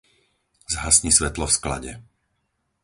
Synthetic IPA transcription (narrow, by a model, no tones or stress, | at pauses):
zɦasɲisʋɛt̪lɔfskla̰ɟɛ